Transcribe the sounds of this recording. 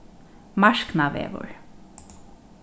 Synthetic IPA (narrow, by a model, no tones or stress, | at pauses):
maʃknaʋɛ̰ːʋʊ̰ɹ